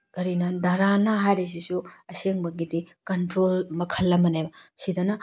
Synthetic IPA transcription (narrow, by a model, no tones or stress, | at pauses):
kɐɾinɐdɐɾanɐɦajɾis̬isuɐseŋbɐɡidikɐntɾolmɐkʰɐlːɐmɐnebɐsidɐnɐ